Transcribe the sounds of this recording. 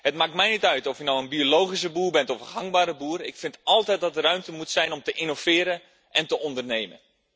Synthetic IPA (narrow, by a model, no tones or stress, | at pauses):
hətmaːk̚tmɛjnitœɥtɔfjɪknowənbiolowχis̬əbuːrbɛntɔfənɦaŋbaːɾəbuːərɪkfɪntɔlˠtɛjt̚dɔt̚ərœɥmtəmutsɛjnɔmtəʔinovɪːɾə | ʔɛntəɔndərnejmən